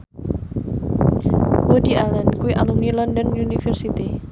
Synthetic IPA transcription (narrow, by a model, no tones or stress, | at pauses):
wodialankuwiʔalumnilɔndɔnunifɛrsit̪i